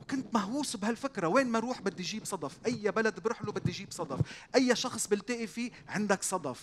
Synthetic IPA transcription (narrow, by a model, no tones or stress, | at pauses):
wkʊnt̪maɦwuːsbhalfɪkɾaweːnmaɾuːħbɪd̪ːiʒiːbsˤɑd̪ˤɑfʔajːabalad̪bɾʊħlubɪd̪ːiʒiːbsˤɑd̪ˤɑfʔajːaʃɑxsˤbɪlt̪ɪːʔifiːʕɪnd̪aksˤɑd̪ˤɑf